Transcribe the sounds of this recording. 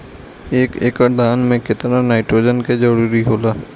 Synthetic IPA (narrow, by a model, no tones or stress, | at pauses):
eːkeːkad̪ʱaːnmẽkɪt̪nanaːɪʈɾoːd͡ʒənked͡ʒəɽuːɾiɦoːlaː